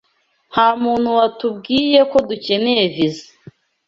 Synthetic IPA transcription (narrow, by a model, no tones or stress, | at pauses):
haːmuːn̥huwatubɡiːje̞ko̞duce̞neevize